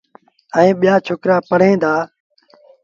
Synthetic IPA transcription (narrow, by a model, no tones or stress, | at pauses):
əẽːɓɪjaːt͡ʃʰʊkɾaːpəɽ̤ẽːd̪aː